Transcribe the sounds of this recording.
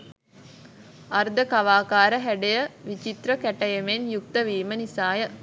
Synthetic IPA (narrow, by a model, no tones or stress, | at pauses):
ard̪əkaʋaːkaːɾəɦæɖejəʋit͡ʃit̪ɾəkæʈəjemenjuk̚t̪əʋiːmənisaːjə